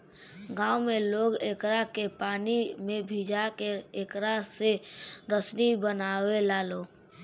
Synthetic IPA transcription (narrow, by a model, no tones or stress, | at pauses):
ɡãːʊmẽloːɡeːkɾakepaːnimẽbʱiːd͡ʒakeeːkɾaseɾəsnibənaːwelaːloː